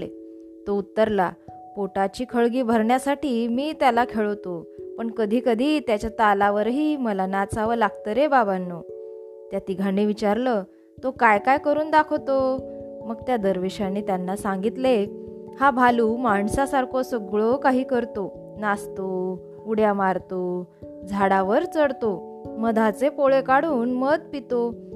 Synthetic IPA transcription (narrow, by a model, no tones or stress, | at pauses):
e | t̪out̪ːəɾla | poʈat͡ɕiːkʰəɭɡiːbʱəɾɳjasaʈiːmiːt̪jalakʰeɭəʋt̪opəɳkəd̪ʱiːkəd̪ʱiːt̪jat͡ɕjat̪alaʋəɾɦiːməlanat͡saʋəlaɡ̚t̪əɾebabanːo | t̪jat̪iɡʱaɽiʋit͡ɕaɾlə | t̪okajkajkəɾuːnd̪akʰt̪o | məɡt̪jad̪əɾʋeɕanːiːt̪janːasãŋɡit̪le | habʱaluːmaɳsasaɾkʰosəɡɭokaɦiːkəɾt̪o | nast̪o | uɽjamaɾt̪o | d͡zʱaɽaʋəɾt͡səɽt̪o | məd̪ʱat͡sepoɭekaɽuːnməd̪̚pit̪o